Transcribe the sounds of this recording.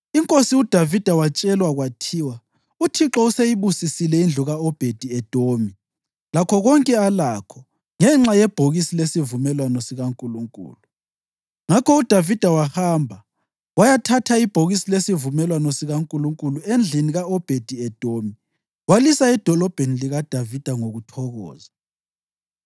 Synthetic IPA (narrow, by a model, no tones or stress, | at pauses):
iŋkʼosiud̥ʱavid̥ʱawat͡ʃʼɛlwaɣwatʰiːwa | utʰiǁɔusejiβusisilɛind͡ɮʱuɣaɔb̥ʱed̥ʱiɛd̥ʱomi | lakʰɔɣɔŋkʼɛalakʰɔ | ŋɛŋ͡ǁajɛb̥ʱoɣisilesivumɛlwanɔsiɣaŋkʼuluŋkʼṵːlu | ŋakʰɔud̥ʱavid̥ʱawahaːmbʱa | wajatʰatʰaib̥ʱoɣisilesivumɛlwanɔsiɣaŋkʼuluŋkʼuluend͡ɮʱiniɣaɔb̥ʱed̥ʱiɛd̥ʱomi | walisaɛd̥ʱɔlɔb̥ʱeniliɣad̥ʱavid̥ʱaŋoɣutʰɔɣɔ̰ːza